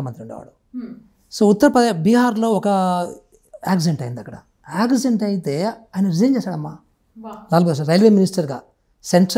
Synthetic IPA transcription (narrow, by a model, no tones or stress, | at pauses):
ɐmɐnt̪ɾiuɳɖḛːʋa̰ːɽu | soːut̪ːɐɾɐpɾɐd̪ebiːɦaːɾlo̞ːɔkɐ | aːkd͡ʒeɳʈɐjind̪ɐkːɐɽɐ̰ | aːkzeɳʈɐjit̪e̞ːaːjɐnɐɾizɐjnt͡ʃeːsaːɽɐmːaː | laːlbos̬aɾɐjlʋeːminisʈɐɾɡa̰ː | seɳʈɾ